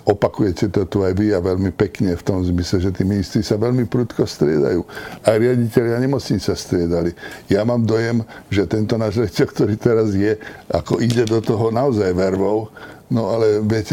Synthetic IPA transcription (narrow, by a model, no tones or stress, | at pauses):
ɔpakujɛcɛt̪ɔt̪uajʋiaʋɛlmipɛkɲɛft̪ɔmzmislɛʒɛt̪iːminist̪ɾisaʋɛʎmipɾut̪kɔst̪ɾɪɛ̰d̪a̰juːajɾɪaɟicɛʎɪaɲɛmɔt͡sɲit͡sast̪ɾɪɛd̪alijamaːmd̪ɔjɛmʒɛt̪ɛnt̪ɔnaːʒɾjaɟicɛlk̚t̪ɔɾiːt̪ɛɾazjɛakɔʔiɟɛd̪ɔt̪ɔɦɔnaɔzajʋɛɾʋɔʊnɔalɛʋɪɛcɛ